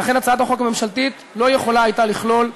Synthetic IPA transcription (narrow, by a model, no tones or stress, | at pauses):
laχe̞nat͡saat̪aχokame̞mʃalt̪it̪ | lo̞je̞χo̞laːjt̪aliχlo̞l